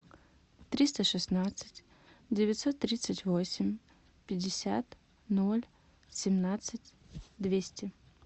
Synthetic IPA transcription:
t̪ɾʲist̪əʂɨsnat̪sɨ̥tʲ | dʲɪvʲɪt̪sot̪ːɾʲit̪sɨtʲvosʲɪmʲ | pʲɪdʲɪsʲat̪ | nolʲ | sʲɪmnat̪sɨtʲ | d̪vʲesʲtʲɪ

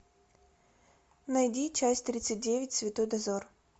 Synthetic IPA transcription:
nɐjdʲit͡ɕasʲtʲt̪ɾʲit̪sɨt̚ʲdʲevʲɪt̚ʲsvʲɪt̪ojd̪ɐzor

